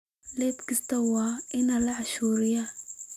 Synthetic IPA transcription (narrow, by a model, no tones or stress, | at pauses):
lɛːt̪kʰɪst̪ʰɐwɑːʔɪnɐlɐʕɑʃuːɾɪjɐ